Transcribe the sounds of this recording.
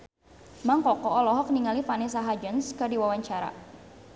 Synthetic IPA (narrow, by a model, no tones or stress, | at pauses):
maŋkɔkɔːlɔɦɔk̚niŋalifanɛsaɦad͡ʒənskɨrdiwawaɲt͡ʃaɾa̰